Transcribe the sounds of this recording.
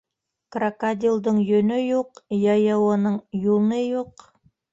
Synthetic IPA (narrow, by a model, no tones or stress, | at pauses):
krakad̪ʲilˠd̪ɤɴjɵ̆nɵjuqjɑjɑwɤ̆nɤɴjulˠnɤjuq